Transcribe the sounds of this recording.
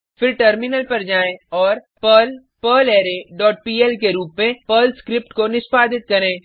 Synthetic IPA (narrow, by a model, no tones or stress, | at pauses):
fɪɾʈəɾmɪnəlpɐɾd͡ʒaːẽɔːɾ | pəl | pəːleːɾeɖɔːʈ̚piːɛlkeɾuːpmẽpəːlskɾɪp̚ʈkonɪspaːd̪ɪt̪̚kɐɾẽː